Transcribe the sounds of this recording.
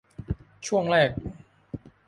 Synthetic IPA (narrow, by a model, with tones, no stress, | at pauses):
t͡ɕʰu˥˩əŋɾɛː˥˩k̚